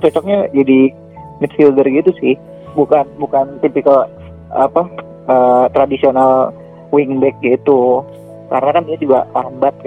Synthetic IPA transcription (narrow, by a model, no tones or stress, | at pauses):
t͡ʃɔt͡ʃɔk̚ɲad͡ʒadi | mit̪filɡərɡit̪usɪh | bukanbukant̪ipiko | apa | əːt̪ɾadisional | wiŋbɛk̚ɡit̪u | ka̰ɾənakandiad͡ʒuɡa̰lambat̪̚k